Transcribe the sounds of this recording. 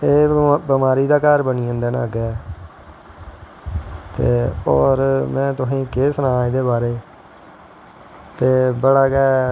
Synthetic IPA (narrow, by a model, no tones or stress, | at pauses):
eːbəmaːɾiːd̪aːkaːɾbəniːə̃ːnd̪eːna̰ːɡɛː | t̪eːɔːɾmɛ̃ːt̪ʊsĩːkeːsnãːɪd̪eːbaːɾeː | t̪eːbəɽaːkɛː